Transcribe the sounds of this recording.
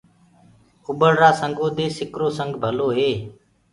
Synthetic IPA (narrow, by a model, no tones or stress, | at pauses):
ʊbəɽɾaːsəŋɡoːd̪eːsɪkɾoːsəŋɡbʱəloːɦeː